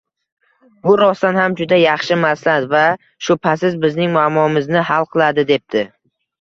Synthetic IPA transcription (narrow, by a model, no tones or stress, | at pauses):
bʊɾɒst̪anhamd͡ʒʊd̪ajɑχʃɪmaslad̪va | ʃʊpʰasɪzbɪznɪŋmʊamɒɪmɪznɪɦalˠqʰɨlˠad̪ɪd̪e̞p̚d̪ɪ